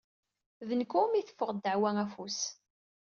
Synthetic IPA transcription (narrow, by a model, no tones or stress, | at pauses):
ðənkumiθə̥fːʊʁd̪əʕwææfus